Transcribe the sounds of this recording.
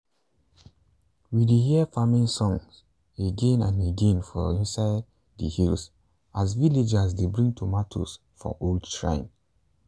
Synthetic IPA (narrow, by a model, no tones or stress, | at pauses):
wideɦiəfamĩnsɔ̃ŋs | eɡẽnãneɡẽnfɔ̰ĩnsaɪd | də̰hils | azviled͡ʒasdebɹĩŋtʰumatʰo̰s | fɔ̰ʔoldʃɹã̰ɪ̃n